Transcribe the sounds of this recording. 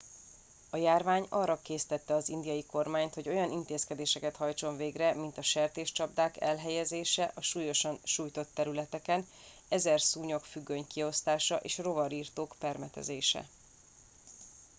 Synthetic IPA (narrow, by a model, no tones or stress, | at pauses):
ɒjaːrvaːɲɒrːɒkeːsi̥t̪ɛt̪ːɛɒzind̪ijɒjiko̞rmaːɲt̪ho̞ɟo̞jɒnint̪eːskɛd̪eːʃɛkɛt̪hɒjt͡ʃo̞ɱveːɡrɛmint̪ɒʃɛrt̪eːʃt͡ʃɒbd̪aːkɛlɦɛjɛzeːʃɛʔɒʃuːjo̞ʃɒnʃuːjt̪o̞t̪ːɛɾylɛt̪ɛkɛn | ɛzɛrsuːɲo̞kfyɡːøɲkio̞st̪aːʃɒʔeːʃro̞vɒɾiːrt̪oːkpɛrmɛt̪ɛ̰zeːʃɛ̰